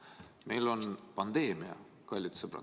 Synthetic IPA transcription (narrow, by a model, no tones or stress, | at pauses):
me̞jlo̞npɑnd̪̥eːmiɑ̰ | kɑlʲːit̪səbrɑ̰